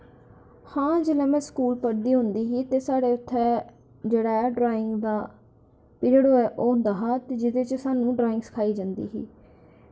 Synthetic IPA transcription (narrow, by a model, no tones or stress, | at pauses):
hãːd͡ʒelɛ̃ːmɛ̃ːskuːlpəɾd̪iːɦʊ̃nd̪iːɦiːt̪eːsaːɽeːʊt̪ʰːɛː | d͡ʒeːɽaːɛːɖɾaːɪŋɡd̪aː | pɪɾɽoːɛːʔoːɦʊ̃nd̪aːɦaːt̪eːd͡ʒɪd̪eːt͡ʃəsaːnũːɖɾaːɪ̃ŋɡsɪ̥kʰaːiːd͡ʒãːnd̪ḭːɦḭː